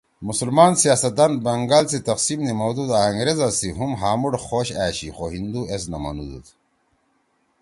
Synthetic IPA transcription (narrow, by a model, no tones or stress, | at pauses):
musulmaːnsijaːsɐt̪̚ːanbɐŋɡaːlsit̪ɐqsiːmnimɐwd̪ud̪aɐŋɡɾezasiɦumɦaːmuɽxoːɕa̰ːɕixoɦind̪ues̬nɐma̰nṵd̪ṵt̪ʰ